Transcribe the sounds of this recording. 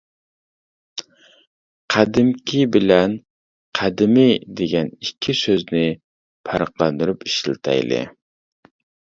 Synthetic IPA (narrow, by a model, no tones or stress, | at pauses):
qʰæd̪ɪmkʲʰibɪlɛn | qʰæd̪ɪmɪd̪eɡʲɛnikʲʰːisøznɪ | pʰɑɾəqlˠɑnd̪uɾupi̥ʃlˠɨt̪ʰɑ̰jlˠɨ̰